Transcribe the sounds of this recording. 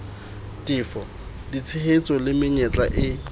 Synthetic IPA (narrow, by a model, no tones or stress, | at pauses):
tʼɪːfɔ | dit͡sʰɪhet͡sʼɔlɪmɪɲet͡sʼaʔɪ